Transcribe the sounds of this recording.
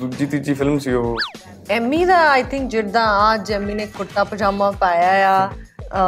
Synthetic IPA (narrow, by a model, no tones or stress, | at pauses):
d̪uːd͡ʒiːt̪id͡ʒiːpʰɪlmsiːoː | ɛːmiːd̪aːaːjt̪ʰɪ̃ŋk̚d͡ʒeːɾd̪ãːaːd͡ʒɛːmːiːneːkʊʈːaːpəd͡ʒaːmãːpaːjaːjaː